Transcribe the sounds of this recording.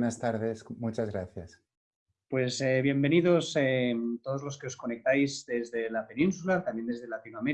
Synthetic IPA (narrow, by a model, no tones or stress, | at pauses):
nast̪aɾðesmut͡ʃazɣɾaθjas | pwe̞seβje̞mbe̞niðo̞set̪o̞ð̞o̞zlo̞ske̞o̞sko̞ne̞k̚t̪ajzd̪e̞zðe̞lape̞nĩnsulat̪ambje̞nd̪eðe̞lat̪inoame̞ɾ